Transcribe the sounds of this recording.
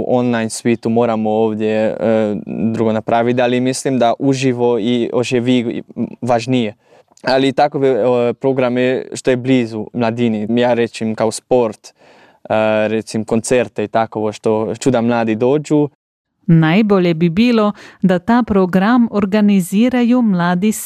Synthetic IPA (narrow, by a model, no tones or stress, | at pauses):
ʔonlajnsʋit̪umoːɾamooːʋd̪je | d̪ɾuɡonapɾʔaːʋit̪̬alimislimd̪aʔuʒiʋoioʃɛʋiːʋaʒnije | alit̪akoʋɛpɾoɡɾamɛʃt̪ojɛbliːzumlad̪inimjaːɾɛt͡ʃimkaospoɾt̪ | ɾɛt̪simkont̪sɛɾt̪eit̪akoʋoʃt̪ot͡ʃud̪amlaːd̪id̪oːd͡ʒu | najboːljɛbibiːlod̪at̪aːpɾoɡɾamoɾɡaniziːɾajumlaːd̪is